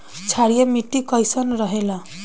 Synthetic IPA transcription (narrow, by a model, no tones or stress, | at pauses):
t͡ʃʰaɾijʌmiʈːikʌjsʌnɾʌɦela